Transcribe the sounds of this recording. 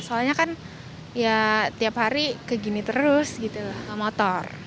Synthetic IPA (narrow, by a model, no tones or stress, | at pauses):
soaɲakan | jat̪iaphaɾikəɡinit̪əɾʊsɡit̪ulahəmɔt̪ɔr